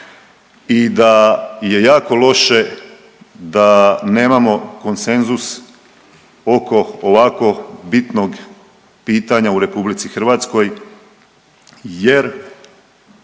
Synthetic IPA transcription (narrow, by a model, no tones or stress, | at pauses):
id̪aje̞jaːko̞lo̞ʃe̞ | d̪ane̞ːmamo̞ko̞nse̞nzus | o̞ko̞oʋako̞bit̪no̞ɡ | piːt̪aɲauɾe̞publit̪sixɾ̩ʋaːt̪sko̞j | jeɾ